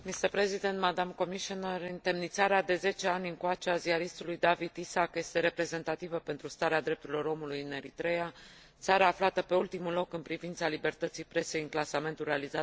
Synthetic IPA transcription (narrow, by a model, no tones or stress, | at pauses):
mist̪əɾpɾe̞zid̪e̞nt̪mad̪amko̞miʃoneɾɨnt̪e̞mnit̪saɾead̪e̞ze̞t͡ʃe̞anʲɨŋkoat͡ʃeaziaɾist̪ulujd̪avid̪isakje̞st̪e̞ɾe̞pɾe̞ze̞nt̪at̪ivəpe̞nt̪ɾust̪aɾead̪ɾe̞p̚t̪uɾilo̞ɾo̞mulujɨne̞ɾit̪ɾe̞ja | t̪saɾaːflat̪əpe̞ult̪imulo̞kɨnpɾivint̪salibe̞rt̪ət̪sijpɾe̞se̞jɨŋklasame̞nt̪ulrealizat̪